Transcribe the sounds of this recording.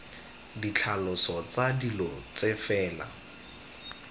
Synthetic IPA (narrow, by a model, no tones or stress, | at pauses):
dit͡ɬʰalɔsɔt͡sadilɔt͡sefɛːla̰